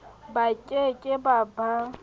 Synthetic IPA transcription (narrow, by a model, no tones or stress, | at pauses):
bakʼekʼɪbaba